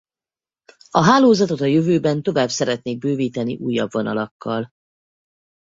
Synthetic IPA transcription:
ɒɦaːloːzɒt̪o̞t̪ɒjøvøːbɛnt̪o̞vaːbsɛɾɛt̪neːɡ̚bøːviːt̪ɛniʔuːjːɒ̰bvo̞nɒ̰lɒkːɒl

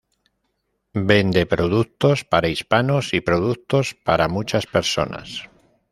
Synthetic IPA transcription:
be̞nd̪e̞pɾoð̞ukt̪o̞spaɾaispano̞sipɾo̞ð̞ukt̪o̞spaɾamut͡ʃaspe̞ɾso̞̰na̰s

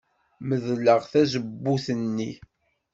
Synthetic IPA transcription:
məðləʁθæzəbːuθənːi

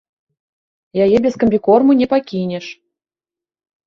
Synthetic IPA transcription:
jajɛbʲeskəmʲbʲikormunʲɛpakʲinʲeʂ

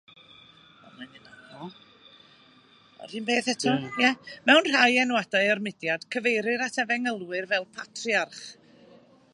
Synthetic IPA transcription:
ɔ̰manɨnaɔ | ɔ̰ɾɨnbeːθɛtʰɔjɛmɛwnr̥ajɛnwadaɨɔrmɪdjad̥kʰəvejɾɨɾatʰɛvɛŋəlˠwɨrvɛlˠpʰatʰriarχ

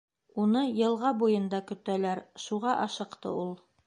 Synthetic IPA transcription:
unɤjɤ̆lˠʁɑbujɤ̆nd̪ɑkɵ̆t̪ælæɾʃuʁɑʔɑʃɤ̆qt̪ɤ̰ulˠ

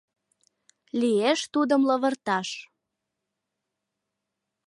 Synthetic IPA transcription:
lieʃt̪ud̪əmlɤβə̆rt̪ɑʃ

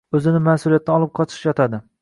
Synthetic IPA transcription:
ɵzɪnɪmasʊlijat̪ːanɒlˠɪp̚qʰɒt͡ʃ̪ʰɪ̥ʃjɒt̪ʰad̪ɪ

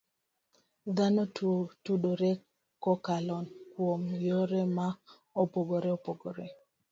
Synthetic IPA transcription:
d̪anotuɗoɾe | kːɔkalɔnkwomjoɾema | ɔpoɡoɾɛɔpoɡoɾɛ

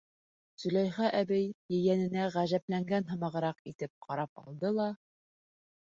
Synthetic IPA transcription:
sɵ̆læjχæʔæbɘjjɘ̆jænɘ̆næʁæʒæplæŋɡænɦɤ̆mɑʁɤ̆ɾɑqit̪ɘp̚qʰɑɾɑp̚ɑ̰lˠd̪ɤlˠɑ

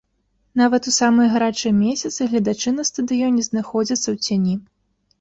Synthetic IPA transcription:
n̪avɐt̪usamɨjɐɣaɾat͡ʂɨjɐmʲesʲɐt̪sɨɣlʲɐd̪at͡ʂɨnɐst̪ɐd̪ɨjɔnʲɛznaxɔd͡zʲit̪sːɐwt͡sʲanʲi

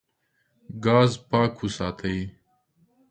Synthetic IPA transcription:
ɡɑːzpɑːkhusɑːt̪ʰəi

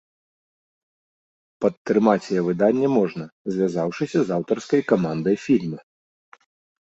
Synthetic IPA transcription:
pɐt̪ːɾɨmat͡sʲjɛvɨd̪anʲːɛmɔʐnɐzʲvʲazawʂɨsʲɐzawt̪ɐrskɐjkamand̪ɐjfʲilʲmɨ

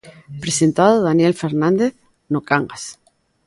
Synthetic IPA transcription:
pɾesent̪aðoðanjelfeɾnãnd̪eθ | nokaŋɡas

